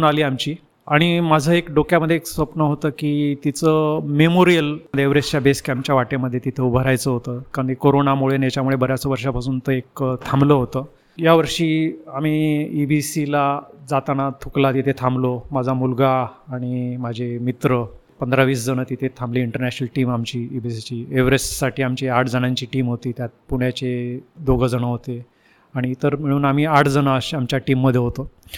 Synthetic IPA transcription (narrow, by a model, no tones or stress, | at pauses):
unaliːamt͡ɕiː | aɽ̃imad͡zʱəekɖokjaməd̪ʱjeeksʋəpnəɦot̪əkiːt̪it͡səmemoɾijəld̪eʋɾest͡ɕjabeskamt͡ɕjaʋaʈeməd̪ʱːjet̪it̪ʰəubʱəɾajt͡səɦot̪əkaikoɾonamuɭenjat͡ɕjamuɭebəɾjat͡səʋəɾʂapasuːnt̪əekt̪ʰambləːɦot̪əː | jaʋəɾʂiːam̤iːibisilad͡zat̪añat̪ʰuklat̪it̪ʰet̪ʰamblomad͡zʱamulɡaːɽ̃imad͡ʑʱemit̪ɾəpənd̪ɾaʋiːs̬d͡zəñɽət̪it̪ʰet̪ʰambliːiɳʈəɾnæt͡ɕənəlʈiːmamt͡ɕiːibisit͡ɕiːeʋɾesːaʈiːamt͡ɕiaʈʰd͡zənaɲt͡ɕiːʈiːmɦot̪iːt̪jat̪̚puɽ̃jat͡ɕed̪oɡəd͡zəɽ̃əɦot̪e | aɽ̃iːt̪əɾm̤əɭ̃uːnam̤iːaʈʰd͡zəɽ̃aɕamt͡ɕjaʈiːmːəd̪ʱjeɦot̪ə